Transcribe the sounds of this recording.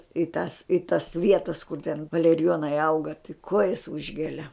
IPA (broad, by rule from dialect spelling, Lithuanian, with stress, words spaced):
ɪ tɐs ɪ tɐs ˈʋʲiɛtɐs kʊr tʲɛn ʋɐlʲɛrʲɪˈjoːnɐɪ ˈɐʊɡɐ tɐɪ ˈkuɔjɛs ˈʊʒʲɡʲɛlʲɛ